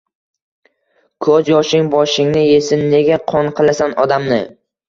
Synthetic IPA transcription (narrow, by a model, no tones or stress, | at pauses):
kʰɵzjɒʃɪŋbɒʃɪŋnɪje̞sɪnːe̞ɡʲaqʰɒnqʰɨlˠasanɒd̪amnɪ